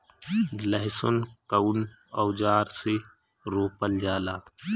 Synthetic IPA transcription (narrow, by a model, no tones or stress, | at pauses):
ləɦɪsonkəwn | ɔwd͡ʒaːɾse | ɾoːpəld͡ʒaːlaː